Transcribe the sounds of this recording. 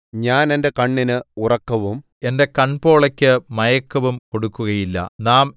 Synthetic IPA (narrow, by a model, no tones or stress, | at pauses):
ɲaːne̞nde̞kɐɳːinɨurɐkːɐʋum | e̞nde̞kɐɳpo̞ːɭɐkʲːɨmɐjɐkːɐʋumko̞ɽukːuɣɐjilːɐ̰naːm